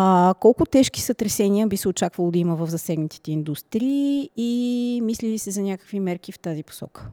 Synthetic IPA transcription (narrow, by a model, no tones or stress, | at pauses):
kɔlˠkʊt̪ɛʃki̥sət̪ɾɛsɛniəbisɛot͡ʃakvəlˠod̪ɐiməvəvzɐsɛɡnət̪i̥t̪ɛind̪ust̪ɾiː | mislilisɛzɐnʲakə̥kvimɛɾkift̪azipo̥sɔ̰kə̥